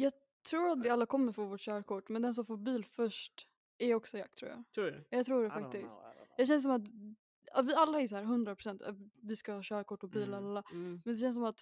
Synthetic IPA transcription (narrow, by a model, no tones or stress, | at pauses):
jɑː | t̪ʰɾuːɾat̪̚d̪ɛalːakʰɔmːəɾfɔvoːʈɕœːɾkʰɔʈːmɛnd̪ɛns̬ɔmfoːɾbiːlfœʂʈ | ɛɾɔksɔja̰kt̪ʰɾṵːja̰ɛjɑːt̪ʰɾuːɖɛfakt̪ɪst̪jɑːɕ̬ɛns̬ɔmat̪ | avɪalːaɛɾjs̬ɔhæːɾɦɵnd̪ɾapʰɾʊsɛnt̪ɛ̰vɪskahɑːɕœːɾakɔʈːɔbiːlalːamɛnd̪ɛɕɛns̬ɔmat̪